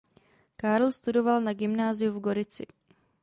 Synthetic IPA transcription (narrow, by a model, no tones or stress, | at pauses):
kaɾl̩st̪udo̞valnaɡɪmnaːzɪjuvɡo̞ɾɪt͡sɪ̰